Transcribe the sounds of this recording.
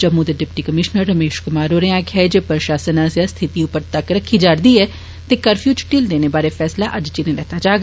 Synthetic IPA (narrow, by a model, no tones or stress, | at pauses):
d͡ʒəmũːd̪eɖɪpʈiːkəmɪʃnəɾːəmeːʃkʊmaːɾoːɾeãːkʰaːd͡ʒepɾʃaːsənãːsjast̪ʰɪt̪iːʊpːəɾt̪əkɾəkʰːiːd͡ʒaːɾd̪iːɛː | t̪eːkəɾfʰjuːt͡ʃʈɪːld̪eːneːbaːɾeːfʰɛːslaːʔəd͡ʒt͡ʃinelɛːt̪aːd͡ʒaːɡ